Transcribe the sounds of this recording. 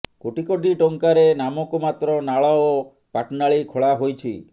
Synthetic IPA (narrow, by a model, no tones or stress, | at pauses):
koʈikoɖiʈoŋkaɾenamɔkumat̪ɾɔnaɭɔo | paʈnaɭikʰoɭaɦojt͡ʃʰḭ